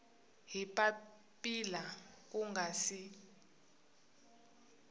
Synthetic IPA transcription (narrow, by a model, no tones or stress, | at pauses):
ɦipʼa | pʼila | k̬ʼuŋɡasi